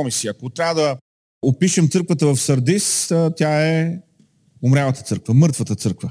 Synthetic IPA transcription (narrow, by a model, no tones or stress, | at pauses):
ɔmisiɐkot̪ɾʲavəd̪ə | opiʃɛmt̪sɤɾkvət̪əvɐfsəɾd̪ist̪ʲaɛ | ʊmɾʲavət̪ət̪sɤɾkvəmɤɾt̪vət̪ət̪sɤɾkvə